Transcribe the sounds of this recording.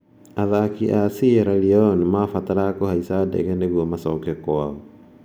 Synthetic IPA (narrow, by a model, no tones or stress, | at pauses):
aðakiʔasieɾaliɔnmafataɾakohaisadɛ̰ɣɛneɣuɔmasɔkɛkwaɔ